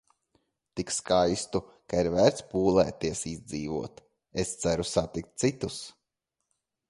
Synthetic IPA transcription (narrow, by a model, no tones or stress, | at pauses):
t̪ikskajst̪u | kaiɾvæːɾt̪spuːlˠɛ̰ːt̪iɛsizd̪ziːvuɔt̪ | est̪sæɾusat̪ik̚t̪̚t̪sit̪us